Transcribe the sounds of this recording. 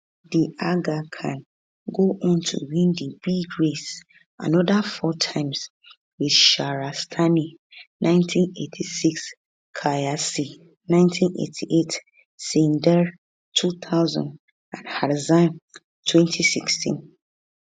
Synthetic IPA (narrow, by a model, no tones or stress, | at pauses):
diaɡakʰãn | ɡoʔɔ̃ntʰṵwĩndib̥iɡɹes | ʔã̰nɔdafɔtʰãɪ̃ms | widʃaɹastʰani | nʔãɪ̃ntʰĩnḛtʰisiks | kʰajasi | nãɪ̃ntʰĩnʔḛtʰiʔet | sĩndɛɹ | tʰut̪ʰaʊzã̰nd | ãnhaɾzãn | tʰwɛ̃ntʰisikstʰḭ̃n